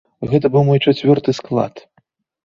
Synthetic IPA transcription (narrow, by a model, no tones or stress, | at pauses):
ɣɛt̪ɐbɨwmɔjt͡ʂat͡sʲvʲɔrt̪ɨsklˠa̰t̪